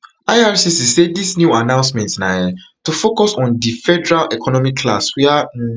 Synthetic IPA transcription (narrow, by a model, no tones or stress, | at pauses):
aɪaɹsisisedisnjuanãʊ̃nsmɛ̃ntnaɛtufokɔsɔ̃ndifɛdɛɹalɛkʰɔnɔmikʰːla̰swɛã